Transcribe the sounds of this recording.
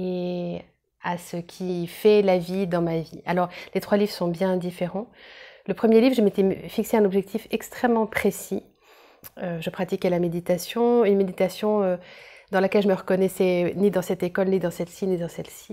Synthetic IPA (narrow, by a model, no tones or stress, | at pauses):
e | asəkʲʰifɛlavid̪ɑ̃mavialɔʁlet̪χwalivʁəsɔ̃bjɛ̃d̪ifeʁɑ̃ləpχəmjelivʁʒemet̪efikseɛ̃nɔbʒɛk̚t̪ʰifɛkst̪χɛmːɑ̃pχesi | øʒəpχat̪ikalamed̪it̪asjɔ̃ynmed̪it̪asjɔ̃ød̪ɑ̃lakʲɛlʒəməʁəkɔnɛsɛnid̪ɑ̃sɛt̪ekɔlnid̪ɑ̃sɛlsinid̪ɑ̃sɛlsi̥